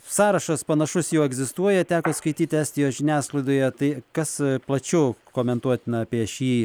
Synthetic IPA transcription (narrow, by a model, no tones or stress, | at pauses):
sɑːɾɐʃɐspɐnɐʃʊsjɛʊɛɡzʲɪst̪uɔjɛt̪ʲæːkoːskɐɪt̪ʲiːt̪ʲæːsʲt̪ʲɪjoːʒʲɪnʲæːsklˠɐɪd̪oːjɛt̪ɐɪkɐsplˠɐt͡ʃʲʊkoːmʲɛnt̪uɔt̪ʲɪnɐːpʲiɛʃʲiː